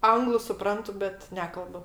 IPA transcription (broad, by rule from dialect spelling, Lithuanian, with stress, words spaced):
ˈɐŋɡlˠʊ sʊˈprɐntʊ bʲɛt ˈnʲæːkɐlˠbʊ